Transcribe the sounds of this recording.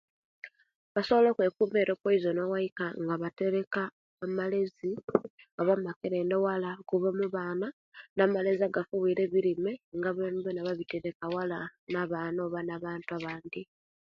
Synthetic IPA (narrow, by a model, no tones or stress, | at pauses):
βaso̞βolokwe̞kuːme̞ːɾo̞kwoizonowaikaŋɡaβate̞ɾe̞kaː | malezi | oβamakeɾe̞ːndewalakuβamuβaːna | namale̞ziaɡafuβiːɾe̞βiɾimeŋɡaβemβenaβaβiteɾe̞kawalanaβaːnoβanaβaːntuaβaːnd̪i